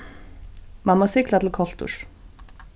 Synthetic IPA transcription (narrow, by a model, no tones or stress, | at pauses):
mamːasɪklat̪ʰɪlkʰɔl̥t̪ʊ̰ɹ̥